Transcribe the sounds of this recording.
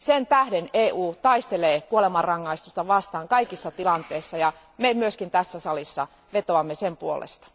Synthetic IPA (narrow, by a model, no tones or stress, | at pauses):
sent̪æhdeneːʔuːt̪ɑist̪eleːkuolemɑrrɑŋːɑist̪ust̪ɑʋɑst̪ɑːŋkɑikisːɑt̪ilɑnt̪eːsːɑjɑ | memyøskint̪æsːæsɑlisːɑ̰ | ʋet̪oɑmːesempuolḛst̪ɑ̥